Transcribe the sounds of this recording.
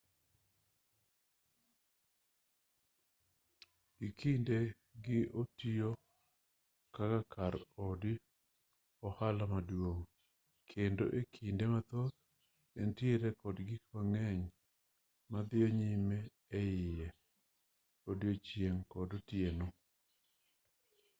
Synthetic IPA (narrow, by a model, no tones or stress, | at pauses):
ɡɪkʰinde | ɡɪʔotio | kakakaɾodɪ | ɔhalamadwoŋ | kʰendo̰ʔekʰindemat̪ot̪ | entjeɾekɔdɡɪkwaŋɛɲ | mad̪ɪoɲimeː | ɪjɛ | odjot͡ʃjeŋkɔdɔtjeno